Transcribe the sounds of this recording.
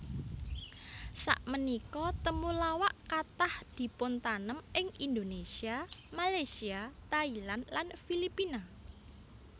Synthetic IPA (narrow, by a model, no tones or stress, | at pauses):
sa̰ʔmənikɔt̪əmulawaʔkat̪ahd̪̥i̤pʊnt̪anəmʔɪŋind̪onesiamalajsiat̪ailanlanfilipina